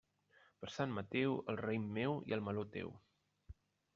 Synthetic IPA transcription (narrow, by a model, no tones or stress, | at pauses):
pəɾsanːət̪ewəlˠrejmːewḭəlˠməlot̪ḛw